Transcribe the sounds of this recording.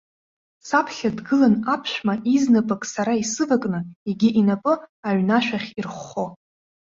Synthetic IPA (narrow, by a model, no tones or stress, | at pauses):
sapʰɬʲadɡɨlanapʰʃᶣʷmaʔiznapʼakʼsaɾaisɨvakʼnɨeɡʲiʔinapʼɨaɥnaʃᶣaχʲirχo